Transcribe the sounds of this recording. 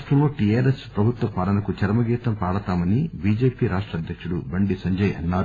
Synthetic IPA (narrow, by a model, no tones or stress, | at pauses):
ʂʈɾɐmlo̞ːʈiaːɾespɾɐbʱut̪ʋɐpaːɽɐnɐkut͡ʃɐɾmɐɡiːt̪ɐmpaːɽɐt̪aːmɐnibiːd͡ʒe̞ːpiːɾaːʂʈɾɐd̪ʱjɐkʂuɽubɐɳɖisɐɲd͡ʒɐjɐ̰nːaː